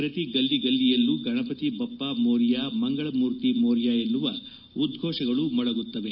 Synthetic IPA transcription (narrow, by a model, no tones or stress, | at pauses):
pɾɐt̪iɡɐlːiɡɐlːijɐlːuɡʱɐɳɐpɐt̪ibɐpːamoːɾjaːmɐŋɡɐɭɐmuːɾt̪imoːɾjaːenːuʋɐ | ud̪ɡʱɔːʂɐɡɐɭumɐɭɐɡut̪ːɐʋe